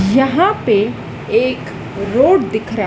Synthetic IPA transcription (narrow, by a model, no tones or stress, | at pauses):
jɐɦãpe | eːk | ɾoːɽd̪ɪkʰɾə